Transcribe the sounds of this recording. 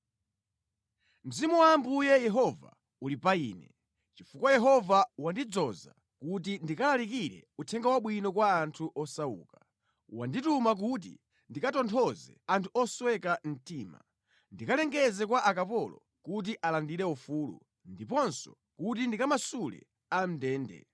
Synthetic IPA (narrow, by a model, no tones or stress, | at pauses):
m̩zimuwaːmbujɛjɛɦɔva̰ | ulipaiːnɛ̰ | t͡ʃifukwajɛɦɔvawandid͡zɔza̰ | kut̬indikalalikiɾɛ̰utʰɛŋɡawaɓwinɔkwaːntʰuʔɔsauːka | wa̰nditumak̬ut̬ḭ | ndikatɔntʰɔzɛ̰antʰuɔswɛkan̩tiːma̰ | ndikalɛŋɡɛzɛkwaʔakapɔlɔ | kut̬iʔalandiɾɛufuːlṵ | ndipɔnsɔ̥ | kutindikamasulɛ̰ | am̩dɛːndɛ̰